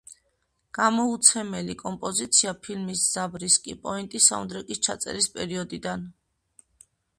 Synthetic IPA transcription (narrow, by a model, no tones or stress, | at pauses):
ɡ̥amɔut̪sʰɛmɛlikʼɔmpʼɔzit̪sʰiapʰilmisz̥abɾiskʼḭpʼɔint̪ʼisa̰ɔ̰nd̪ɾɛkʼist͡ʃʰat̪sʼɛ̰ɾispʼɛɾiɔd̪id̪an